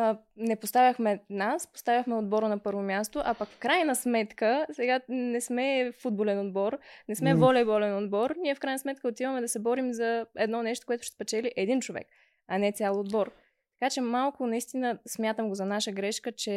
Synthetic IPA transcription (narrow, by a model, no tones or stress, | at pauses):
nɛpost̪avʲjəxmɛnaspo̥st̪avʲəxmɛod̪̚bɔɾənɐpɤɾvomʲjast̪oʔɐpɐkfkɾajnəsmɛt̪kəsɛɡanɛsmɛfud̪̚bolɛnod̪bɔɾnɛsmɛvɔlʲɛbɔlɛnod̪bɔɾnʲiɛfkɾajnəsmɛt̪̚kəot̪ivəmɛd̪ɐsɛbɔɾimzɐɛd̪nɔnɛʃt̪o̥koɛt̪ʊ̥ʃt̪pɛt͡ʃɛliʔɛd̪int͡ʃovɛ̰k | ɐnɛt̪sʲalˠoːd̪bɔɾ | t̪ɐ̥kat͡ʃɛmalˠkʊnɐist̪inəsmʲjat̪əmɡozɐnaʃəɡɾɛʃkət͡ʃɛ